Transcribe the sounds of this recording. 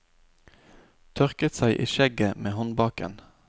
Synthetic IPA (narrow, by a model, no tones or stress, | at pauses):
t̪ʰœʁkət̪sæɪʔḭːʃɛɡəmeːhɔnbɑːkə̰n